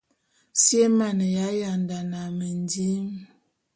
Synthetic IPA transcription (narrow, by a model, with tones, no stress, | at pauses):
sje˦ma˨nə˨ja˦ja˨nda˨na˨mə˨ndi˦m